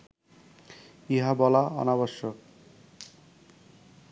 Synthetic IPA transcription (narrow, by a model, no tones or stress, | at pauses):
iɦabɔlaɔ̰naboʃːok